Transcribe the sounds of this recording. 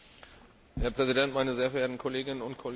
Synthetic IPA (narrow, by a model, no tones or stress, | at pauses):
hɛɐpʁ̥ɛzidɛntmaɪnəzeːɐɛɐeɐtn̩kʰoleːɡɪnənʊntkʰol